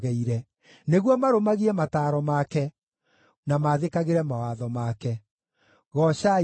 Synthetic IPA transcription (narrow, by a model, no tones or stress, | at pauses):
ɣɛiɾɛ | neɣwɔmaɾomaɣiɛmataːɾɔmakɛ | namaðekaɣeɾɛmawaðɔmaːkɛ | ɣɔɕa